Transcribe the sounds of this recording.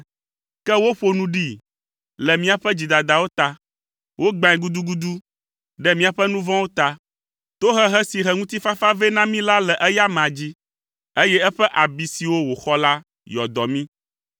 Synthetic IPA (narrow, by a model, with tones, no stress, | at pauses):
kɛ˦wo˦ɸo˦nũ˦ɖi˦ | lɛ˨mĩ˦a˨ɸɛ˦d͡ʑi˨d̪a˨d̪a˨wo˦t̪a˦ | wʔo˦ɡ͡bã˨ɛ̃˨ɡu˦d̪u˦ɡu˦d̪u˦ | ɖɛ˦mĩ˦a˨ɸɛ˦nũ˦vɔ̃˦wo˦t̪a˦ | t̪o˦ɦɛ˦ɦɛ˦si˨ɦɛ˦ŋũ˦t̪i˦fa˦fa˦vɛ˦nã˦mĩ˦la˦lɛ˨ʔɛ˦ja˦mã˨d͡ʑi˦ | e˦jɛ˦ɛ˦ɸɛ˦ʔa˨bi˨si˨wo˦wo˨xɔ˦la˦ | jɔ˨d̪ɔ˨mĩ˦